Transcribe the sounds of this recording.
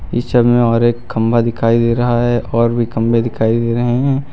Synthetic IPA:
ɪ̰ʃəbmẽɔːɾeːkʰːɐ̃mbʱad̪ɪkʰaːid̪eːɾɐɦaɦɛʔɔːɾbʱikɐ̃mbʱed̪ɪkʰaːid̪eːɾɐɦeɦɛ̃ː

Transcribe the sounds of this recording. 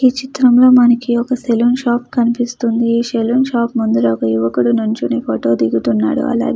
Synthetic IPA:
iːt͡ʃit̪ɾɐmlo̞ːmɐnɐkiɔkɐselunʃaːpkɐnipist̪und̪iːʃelunʃaːpmund̪ulɐkɐjuʋɐkuɽunuɲt͡ʃunipʰoːʈo̞ːd̪iɡut̪unːa̰ːɽṵɐ̰la̰ːɡ

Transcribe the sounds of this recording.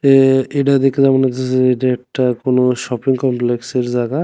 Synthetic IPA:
eeɖad̪ekːed͡ʑamanad͡ʑeeeɖaek̚ʈakonoʃɔpiŋkɔmplekseɾd͡ʑaɡa

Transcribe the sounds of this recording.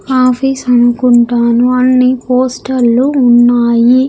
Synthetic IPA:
aːpʰiːsɐnukuɳʈaːnuɐnːipoːsʈɐlːuːnːaːji

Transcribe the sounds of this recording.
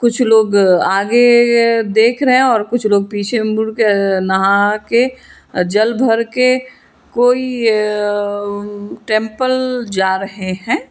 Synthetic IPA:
kʊt͡ʃʰloːɡaːɡed̪eːkʰɾəɦẽɔːɾkʊt͡ʃʰloːɡ̚piːt͡ʃʰemuɾkenəɦãke | d͡ʒəlbʱəɾke | koːi | ʈẽːmpəld͡ʒaːɾəɦeɦɛ̃ː

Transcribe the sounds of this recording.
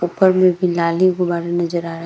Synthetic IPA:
upəɾmẽbʱilaːlikobaːɾenɐzəɾaːɾɐ

